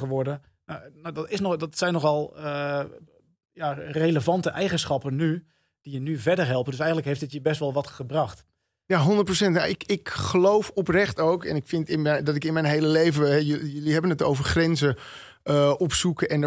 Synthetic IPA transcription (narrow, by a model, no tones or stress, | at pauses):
əʋɔrdə | nonodɔtɪsnɔdɔtsɛjnːɔxɔlˠ | jareləvɑntəʔɛjɣənsχɑpəny | d̥ijənyvɛdərɦɛlˠpəndʏsɛjəntləkɦeɪftdɪtjəbɛstʋɔlˠʋɑtχəbrɑxt | jaɦɔndət̚prosɛntnaɪkɪkχəlowfɔprɛχtowkɛ̰nɪkfɪntɪdɔtɪkɪnmɛjnɦejləlejvəɛjjøliɦɛbənətowvərχrɛnzə | əɔpsukəʔɛn